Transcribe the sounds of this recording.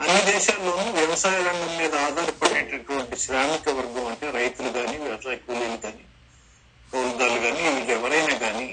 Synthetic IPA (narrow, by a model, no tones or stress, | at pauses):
ɐnːid̪ɛːʃaːmloːnuʋjɐʋɐsaːjɐɾɐɳɖɐmːiːd̪ɐaːd̪ʱaːɾipɐɽeːʈɐʈuʋɐɳʈiʃɾaːmikɐʋɐɾɡɐmɐɳʈe̞ːɾɐjt̪uluɡaːniːʋjɐʋɐsaːjɐkuːliluɡaːni | kɐːlɐɡ̪aːluɡaːniilɛʋɐɾɐjnaːɡaːni